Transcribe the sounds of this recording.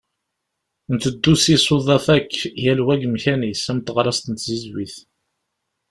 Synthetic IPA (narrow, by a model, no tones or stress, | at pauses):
nt̪əd̪ːusisˤoðˤɑθækːjælwæɡəmçænisæmt̪ːəʁɾˤɑst̪ənt̪zizwiθ